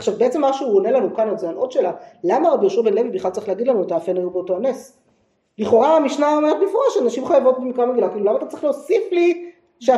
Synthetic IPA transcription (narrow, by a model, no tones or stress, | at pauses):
aχʃavbeet͡se̞mːaʃuonelanukanozeanot̪ʃelalamaʁabiʃubenlevibiχlalt͡saʁiχleaɡidlanuat̪aːfenajubeoto̞anes | liχo̞ʁaamiʃnaomeʁt̪̚bifoʁaʃeanaʃimχajavo̞t̚bemikʁameɡilakiːlulamat̪att͡saʁiχleosifli | ʃea